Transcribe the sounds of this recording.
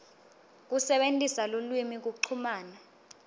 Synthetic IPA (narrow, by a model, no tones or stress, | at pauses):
k̬usɛɓentʼisalulwimik̬uǀʰumaːna